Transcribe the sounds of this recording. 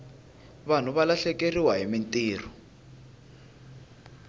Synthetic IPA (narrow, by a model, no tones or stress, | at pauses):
βan̤uβalaɬɛkeriwaɦimintʼiːr̤ɔ